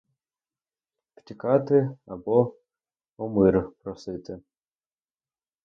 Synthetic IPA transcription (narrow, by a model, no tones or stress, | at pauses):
pt̪ʲikat̪ɨabɔ | ɔmɨɾpɾɔsɨt̪ɨ